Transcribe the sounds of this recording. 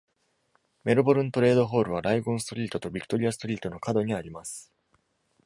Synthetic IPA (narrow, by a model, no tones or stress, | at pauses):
me̞ɾɯ̟bo̞ɾɯ̟̃nt̪o̞ɾe̞ːd̪o̞ɦo̞ːɾɯ̟β̞aɾaiɡõ̞ɰ̃st̪o̞ɾʲiːt̪ot̪o̞bʲikɯ̥t̪o̞ɾʲiasɨ̥t̪oɾʲiːt̪o̞no̞kad̪o̞ɲ̟iaɾʲimasɨ̥